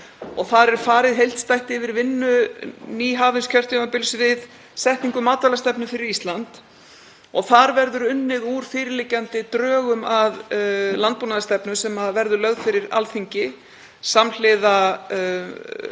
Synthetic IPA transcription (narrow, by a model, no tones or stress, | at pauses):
ɔɣθaɾɛɾ̥faːɾɪðɦejl̥t̪st̪ajht̪ɪvɪɾvɪnːʏniːɦaːvɪnscʰœr̥t̪ʏmapɪlsvɪð | sɛht̪niŋkʏmaːt̪alast̪ɛpnʏfɪɾɪɾist̪lant̪ | ɔɣθaɾvɛɾðʏɾʏnːɪðuːɾ̥fɪːɾɪlɪcːant̪ɪt̪ɾœːɣʏmaðlant̪̚punaðast̪ɛpnʏsɛmaðvɛɾðʏlœɣðfɪɾɪɾa̰lθiɲcɪ | saml̥ɪða